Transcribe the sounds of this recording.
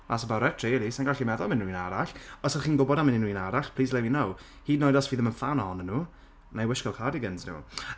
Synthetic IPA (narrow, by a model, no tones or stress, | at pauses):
asəbaɾɛtʰreːlˠisanɡaɬimɛðɔlˠmɪnnuiːnaɾaɬɔsɔχiːnɡʊbɔdamɪninuiːnaɾaɬpʰl̥ˠiːs̬lɛwinow | hiːdnɔjdɔsviːðəmənfanɔɔnənːuː | najwəʃkɔlˠkʰadiɡənsnṵː